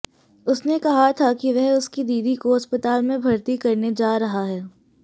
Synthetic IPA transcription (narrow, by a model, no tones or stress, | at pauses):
ʊsnekɐɦat̪ʰakiʋɛɦʊskid̪iːd̪ikoɐspət̪aːlmẽbʱɐɾt̪ikɐɾned͡ʒaːɾɐɦaɦɛː